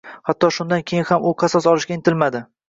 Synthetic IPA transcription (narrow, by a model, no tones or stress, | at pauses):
hat̪ːɒʃʊnd̪ankʲʰejɪnhamʊqʰɑsɒsɒlɪʃɡʲaɪnt̪ʰɪlmad̪ɪ